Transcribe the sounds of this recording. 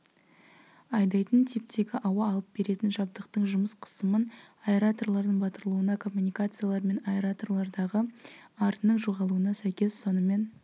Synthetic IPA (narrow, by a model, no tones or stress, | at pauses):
ɑjd̪ɑjt̪ənt̪ʰep̚t̪ʰe̞ɡʲɪʔɑwɑːlˠəp̚be̞ɾe̞t̪ɪnʒɑb̚d̪əqt̪əɴʒʊməsqʰə̥səmən | aeɾat̪o̞rlˠɑɾd̪əɴbɑt̪əɾlˠuənɑkʰo̞mːunijkat̪sɨjalˠɑɾme̞naɾat̪o̞rlˠɑɾd̪ɑʁəɑɾt̪ənəɴʒuʁɑlˠuənɑsæjkʲe̞sːo̞nəme̞n